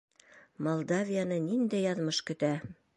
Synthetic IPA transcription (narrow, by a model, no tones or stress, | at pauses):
molˠd̪avʲijanɤnind̪æjɑðmɤʃkɵ̆t̪æ